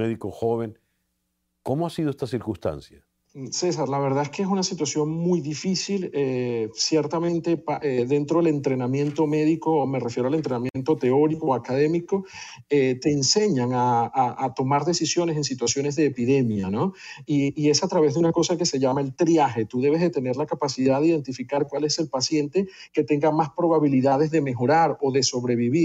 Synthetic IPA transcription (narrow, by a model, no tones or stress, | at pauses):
eðikoxoβeŋ | komoasiðoest̪asiɾkunst̪a̰nsja | se̞saɾlaβe̞ɾðaeske̞es̬unasit̪wasjo̞ŋmujðifisilesjeɾt̪amẽ̞nt̪e̞paʔeðe̞nt̪ɾo̞ðele̞nt̪ɾe̞namje̞nt̪o̞me̞ðiko̞ːme̞refje̞ɾoale̞nt̪ɾenamjent̪o̞t̪e̞o̞ɾikoakað̞e̞miko̞ | et̪e̞ːnse̞ɲaŋaaːt̪o̞maɾðe̞sisjo̞nes̬e̞ns̬it̪wasjo̞ne̞zðeːpiðe̞mjano̞iːe̞sat̪ɾaβ̞ezðeunako̞sake̞se̞ʝamae̞lt̪ɾjaxe̞t̪uðe̞β̞e̞zðet̪e̞ne̞ɾlakapasiðaðeiðe̞nt̪ifikaɾkwale̞se̞lpasje̞nt̪e̞ke̞t̪e̞ŋɡamaspɾo̞βaβiliðað̞e̞zðe̞me̞xo̞ɾaɾo̞ðe̞so̞βɾe̞βiβi